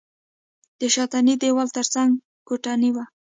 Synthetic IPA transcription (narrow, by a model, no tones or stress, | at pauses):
d̪̥əʃɑt̪anid̪ewɑlt̪əɾt͡saŋɡ | koʈɑniwa